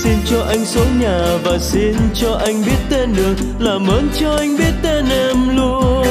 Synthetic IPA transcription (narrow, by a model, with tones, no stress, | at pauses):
si˧nt͡ɕɔ˧ʔa˧jŋ̟so˨˦ɲaː˨˩vaː˨˩si˧nt͡ɕɔ˧ʔa˧jŋ̟ɓi˦˥ət̚t̪e˧nɗɨ˨˩ək̚ | laː˨˩məː˨˦nt͡ɕɔ˧ʔa˧jŋ̟ɓi˦˥ət̚t̪e˧nʔɛ˧mlu˧ə